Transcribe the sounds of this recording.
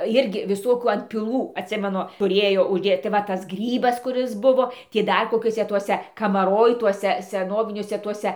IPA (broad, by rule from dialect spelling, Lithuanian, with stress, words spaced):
ˈjɪrʲɡʲɪ ʋʲɪˈsoːkʲuː ɐnʲtʲpʲɪˈlˠuː ɐtʲˈsʲɪmʲɛnʊ tʊˈrʲeːjoː ʊʒʲˈdʲeːt tɐɪ ˈʋɐ ˈtɐs ˈɡrʲiːbɐs kʊˈrʲɪs ˈbʊʋoː ˈtʲiː ˈdɐr koːˈkʲuɔsʲɛ ˈtuɔsʲɛ kɐmɐˈroːj ˈtuɔsʲɛ sʲɛˈnoːʋʲɪnʲuɔsʲɛ ˈtuɔsʲɛ